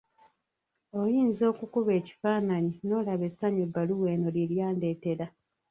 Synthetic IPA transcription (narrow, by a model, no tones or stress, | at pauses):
o̞jiːnzo̞ːkukuβe̞ːci̥faːnaɲino̞ːlaβe̞saɲebaluwe̞ːno̞liljaːnde̞ːte̞ɾa